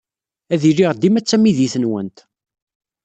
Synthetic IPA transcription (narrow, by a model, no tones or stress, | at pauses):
æðiriʁd̪imæt͡sːæmiðiθənwə̰nt̪